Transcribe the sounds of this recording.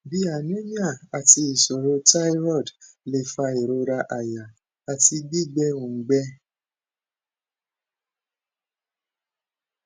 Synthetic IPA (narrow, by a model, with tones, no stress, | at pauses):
bi˧˦a˨nũ˦ɲã˦˨a˨ti˧i˨so˨ɾo˧˦ta˦i˦ɾɔ˦˨dle˧˨fa˧i˨ɾo˧ɾa˧ʔa˨ja˨ | a˨ti˧ɡ͡bi˦˨ɡ͡bɛ˦ũ˨˦ɡ͡bɛ˦